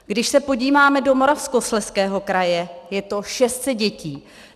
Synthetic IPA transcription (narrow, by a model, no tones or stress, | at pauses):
ɡdɪʃsɛpo̞ɟiːvaːmɛdo̞mo̞ɾafskoslɛskɛːɦo̞kɾajɛjɛt̪o̞ʃɛst̪sɛd̪̚ɟɛciː